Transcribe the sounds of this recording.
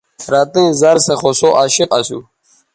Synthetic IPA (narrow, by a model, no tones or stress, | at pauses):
ɾɑːt̪ẽzaɾseχosoʔaːɕiqasṵ